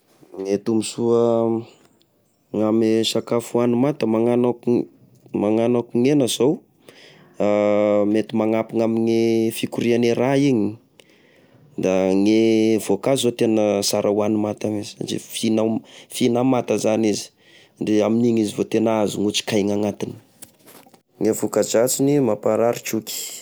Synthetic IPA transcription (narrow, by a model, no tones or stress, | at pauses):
ŋet̪umisuə | ŋamesakafuanumat̪əmaŋanak | maŋanakuŋenəzow | amet̪imaŋapiŋamiŋefikuɾianeɾaiɲi | d̪aŋevokaizot̪enəsaɾʔəwanumat̪amiz̥a̰d͡ʒḭfinafinamat̪əzanizi̥ | ɳɖ͡ʐeaminiŋizivot̪enazuŋut͡si̥kajŋaŋat̪ini̥ | ŋevokad͡ʒat͡sinimapaɾaɾit͡ʃuki̥